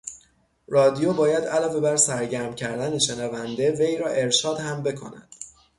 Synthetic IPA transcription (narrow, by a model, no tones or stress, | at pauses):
rɒːd̪ijobɒːjæd̪ælɒːve̞bæɾsæɾɟæɾmcʰæɾd̪æneʃenævænd̪e̞ve̞jɾɒːʔe̞ɾʃɒːd̪hæmbe̞kʰo̞̰næ̰d̪̥